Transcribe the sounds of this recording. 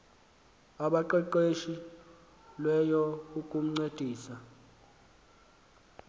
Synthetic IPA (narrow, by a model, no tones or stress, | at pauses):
aɓaǃɛǃeʃi | lwɛjɔukʼum̩ŋ͡ǀed̥ʱiːsa